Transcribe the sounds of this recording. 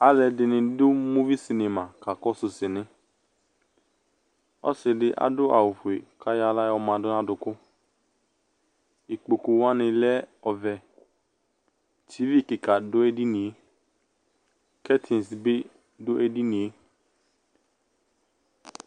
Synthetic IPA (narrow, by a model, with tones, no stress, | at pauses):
a˦lɛ˧dɪ˧nɪ̃˧dʊ˦mo˦vi˦si˧ne˧ma˨ka˨kɔ˦sʊ˧sɪ˨nɪ̃˧˦ | ɔ̰˦sɪ˨dɪ˧ʔa̰˦dʊ˦ʔa̰˨wu˨fu˨e˨kʰa˦ja˧la˦jɔ˧mã˧˨dʊ˦nã˦dʊ˧kʊ˦ | i˨k͡po˨ku˨˦wa˦nɪ̃˧lɛ˦ɔ˧vɛ˧ | tʰi˨˦vi˦˨ki˨ka˨dʊ˦e˧di˦nĩ˨je˨˦ | kɛ˦tʰi˨n˨sbɪ˦ | dʊ˦ʔe˧di˦nĩ˨je˨˦